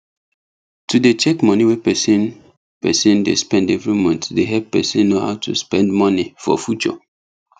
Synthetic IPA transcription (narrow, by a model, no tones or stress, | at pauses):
tʰudet͡ʃɛkmɔniwɛpɛsĩn | pɛ̰sĩndḛspɛ̃ndɛvɹimɔ̃ntsdeɦɛp̚pɛ̰sĩnːoha̰ʊtʰṵspɛ̃ndmɔnifɔ̰fjut͡ʃɔ̰